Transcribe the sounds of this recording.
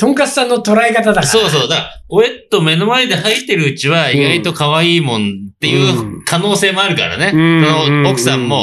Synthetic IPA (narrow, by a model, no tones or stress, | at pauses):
t̪õ̞ŋkat͡sɨ̥sãnːot̪o̞ɾaekat̪ad̪aksao̞ːso̞ːd̪akao̞et̪o̞me̞no̞maed̪e̞hait̪ːe̞ɾɯ̟ɯ̟t͡ɕiβaiɡait̪o̞kaβaiːmõ̞not̪ːe̞jɯ̟ːkʰano̞ːse̞ːmo̞aɾɯ̟ka̰ɾa̰nekonookɯ̟̥sãmːo̞